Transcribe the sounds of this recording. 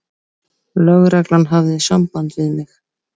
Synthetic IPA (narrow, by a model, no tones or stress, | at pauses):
lœɣɾɛklanɦavðɪsampant̪vɪðmɪx